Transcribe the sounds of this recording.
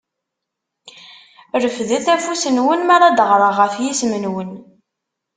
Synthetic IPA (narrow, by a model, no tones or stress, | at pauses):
ɾəfðiθæfusənwənmæɾˤɑd̪əʁɾˤəʁəfjismənwən